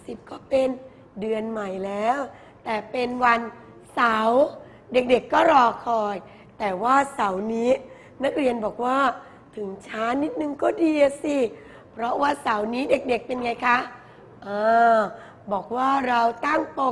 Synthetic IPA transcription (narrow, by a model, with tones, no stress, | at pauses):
si˨˩p̚kɔː˥˩pe˧n | dɯ˧ənma˨˩jlɛː˦˥w | t̪ɛː˨˩pe˧nwa˧n | sa˩˦w | de˨˩k̚de˨˩kːɔː˥˩ɾɔː˧kʰɔː˧j | t̪ɛː˨˩waː˥˩sa˩˦wniː˦˥ | na˦˥k̚ɾi˧ənbɔː˨˩k̚waː˥˩ | t̪ʰɯ˩˦ŋt͡ɕʰaː˦˥ni˦˥t̪̚nɯ˨˧ŋkɔː˥˩diː˧a˧si˧˩ | pʰɾɔ˦˥waː˥˩sa˩˦wniː˦˥de˨˩k̚de˨˩k̚pe˧nŋa˧jkʰa˦˥ | ʔaː˧ | bɔː˨˩k̚waː˥˩ɾa˧wt̪a˥˩ŋpo˨˩